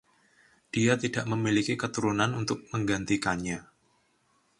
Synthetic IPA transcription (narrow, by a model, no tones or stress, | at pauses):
d̥iat̪idaʔməmilikikət̪uɾunanunt̪ʊk̚məŋɡant̪ikanɲa